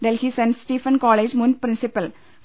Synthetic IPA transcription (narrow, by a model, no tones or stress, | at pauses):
ɖelhisɛ̃ɳɖsʈiːfə̃nkɔːleːd͡ʒmũnpɾɪ̃nsɪpəl